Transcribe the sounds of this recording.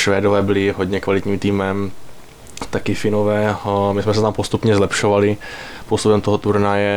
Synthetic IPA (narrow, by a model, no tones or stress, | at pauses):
ʃvɛːdovɛːbɪlɪɦod̪ɲɛkvalɪt̪ɲiːmt̪iːmɛm | t̪akɪfɪnovɛːmɪsmɛsɛt̪ampost̪upɲɛzlɛpʃovalɪ | post̪ubɛmt̪oɦot̪uɾnajɛ